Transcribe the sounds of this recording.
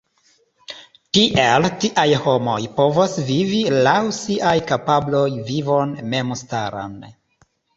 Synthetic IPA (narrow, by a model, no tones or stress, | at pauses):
tiʔeltiʔajho̞mo̞̰jpo̞vosvivilawsiʔajkapablo̞jvivo̞nme̞msta̰ɾa̰n